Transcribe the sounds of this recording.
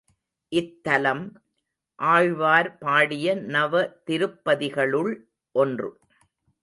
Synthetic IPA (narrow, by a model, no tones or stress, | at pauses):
ʔɪt̪ːɐlɐm | ʔaːɻʋaːɾpaːɽɪjɐnɐʋɐt̪ɪɾɯpːɐðɪɣɐɭɯɭ | ʔɔndrɯ